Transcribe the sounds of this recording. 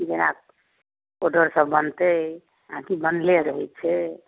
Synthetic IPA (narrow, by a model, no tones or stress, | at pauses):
kid͡ʒena̰k | oɾɖəɾsəbːənt̪ə | əɦãkibənleɾəɦɛt̪̚t͡ʃʰɛ